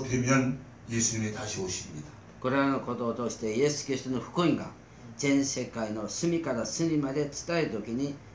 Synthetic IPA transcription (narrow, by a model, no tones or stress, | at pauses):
t̪emʲjʌn | jesɨɲimit̪aɕioɕiimɲid̪a | koɾeanoko̞t̪oːt̪o̞ɕi̥t̪e̞je̞sɨ̥kiɾʲist̪o̞no̞ɸɯ̥kɯĩŋɡa̰ | d͡zẽ̞ñse̞kaino̞sɨmʲikaɾasɨmʲimad̪e̞t͡sɨ̥t̪aeɾɯt̪okʲiɲ̟i